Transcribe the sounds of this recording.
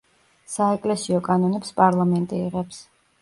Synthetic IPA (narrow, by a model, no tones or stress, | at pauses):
saɛkʼlɛsiɔkʼanɔnɛpspʼaɾlˠamɛnt̪ʼiːʁɛps